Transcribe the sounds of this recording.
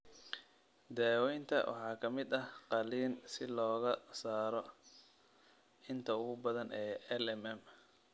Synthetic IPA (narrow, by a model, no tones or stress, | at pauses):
d̪aːwɛjnt̪ʰɐ̰wʔɑ̰ħɑːkʰɐmɪd̪ɐhqɑliːnsɪlɔːɣɐsaːɾɔ | ɪnt̪ʰɐʊɣʊbɐðɐnʔɛːɛlɛmɛm